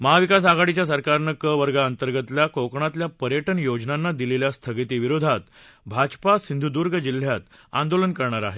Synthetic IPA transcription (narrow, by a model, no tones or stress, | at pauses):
məɦaʋikas̬aɡaɽit͡ɕjas̬əɾkaɾnəkəʋəɾɡaənt̪əɾɡət̪ljakokɳat̪ljapəɾjəʈənjod͡ʑnanːad̪ileljast̪ʰəɡit̪iːʋiɾod̪ʱat̪bʱad͡ʑpasind̪ʱud̪uɾɡəd͡ʑil̤ːjat̪a̰nd̪olənkəɾɳaɾa̰ɦe